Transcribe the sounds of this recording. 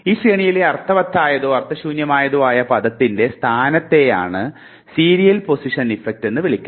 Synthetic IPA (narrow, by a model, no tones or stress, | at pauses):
iːɕreːɳijileɐrt̪ʰːɐʋɐt̪ʰːaːjɐðuɐrt̪ʰːɐɕuːnjɐmaːjɐðuaːjɐpɐðɐt̪ːinde̞st̪ʰaːnɐt̪ːe̞ja̰ːɳɨ | siːɾijɐlpo̞siʂɐnifek̚tːe̞nːɨʋiɭikʲːum